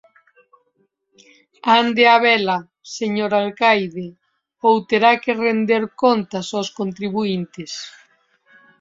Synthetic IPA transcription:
and̪eaβɛla | seɲoɾalkajðe | owt̪eɾakerend̪eɾkont̪asowskont̪ɾiβuint̪ɪs

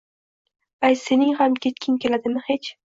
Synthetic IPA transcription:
ajse̞nɪŋhamkʲʰe̞t̪kʲʰɪŋkʲe̞lad̪ɪmɪhet͡ʃ

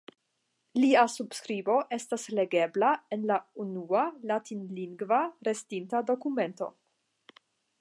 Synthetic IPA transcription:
liasub̥skɾibo̞ʔe̞stasle̞ɡe̞blae̞nlaunualatinliŋɡvaɾe̞stintado̞kume̞nto̞̰

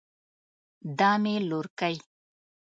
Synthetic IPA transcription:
d̪ɑmeloɾkəj

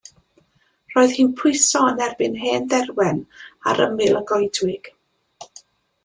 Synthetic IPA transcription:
r̥oːɨð̥hiːnpʰʊɨjsɔənɛrbɪnɦeːnðɛrwɛna̰ɾə̰mɪlˠəɡɔjdwɪɡ̥

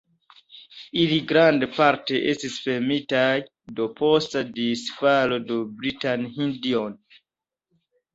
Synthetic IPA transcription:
iliɡɾandpaɾteʔestisfemitaj | dopʰostadisfalodobɾitanhĩndion

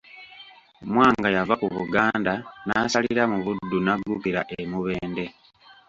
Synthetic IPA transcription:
mwaːŋɡajavakuβuɡaːndanaːsaliɾamuβudːunaɡːupiɾa̰ʔemuβe̞ːnde̞

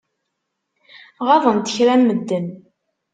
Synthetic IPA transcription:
ʁɑðˤənt̪ə̥çɾænməd̪ːən

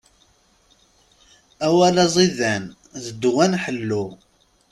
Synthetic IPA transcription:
æwælæzˤiðæn | ðəd̪ːwænħəlːu

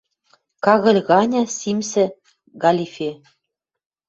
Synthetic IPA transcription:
kɑɣɤ̆lʲɣɑnʲɑsimsɘ̆ | ɡɑlʲifʲe

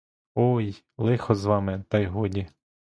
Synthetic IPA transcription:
ɔj | lˠɪxɔzʋɑmɪt̪ɑjɦɔdʲi

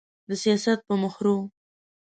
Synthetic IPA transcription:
d̪əsijɑsat̪̚pəmʊxɾo

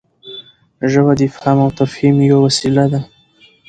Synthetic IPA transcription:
ʒəbad̪ifamawt̪afhimjiwawasilad̪a

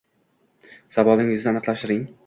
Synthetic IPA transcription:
z̥avɒlɪŋɪznɪanɨqlaʃɪɾɪŋ

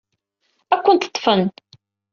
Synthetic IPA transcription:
ækʷːənt̪ə̥t̪ˤːfən

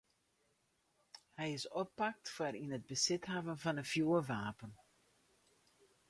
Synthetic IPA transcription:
hɛjɪsɔpːɑk̚tfaɾinɦəd̚bəsɪtɦavənvɑnəfjuːəʋaːpən

